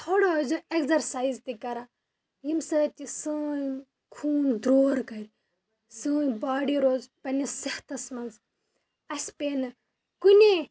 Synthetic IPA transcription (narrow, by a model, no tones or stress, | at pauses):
t̪ʰoːɽozoekzɐɾsaːizt̪ikɐɾa | jimsɐːt̪ʲisɨːj | kʰuːnd̪ɾoːɾkɐɾʲ | sɨ̃ːjbaːɽiɾoːzpɐnisɐht̪ɐsmɐnz | ɐsʲpeːnɨ | kunʲe